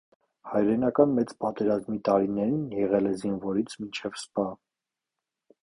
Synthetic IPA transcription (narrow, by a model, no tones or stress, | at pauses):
hɑjɾɛnɑkɑnmɛt͡spɑt̪ɛɾɑzmit̪ɑɾinɛɾinjɛʁɛlɛzinvɔɾit͡sʰmint͡ʃʰɛvspɑ